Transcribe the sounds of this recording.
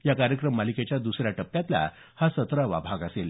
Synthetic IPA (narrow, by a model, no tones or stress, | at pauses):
jakaɾjəkɾəmːaliket͡ɕjad̪usɾjaʈəpːjat̪la̰ | hasət̪ɾəʋa̰bʱaɡasel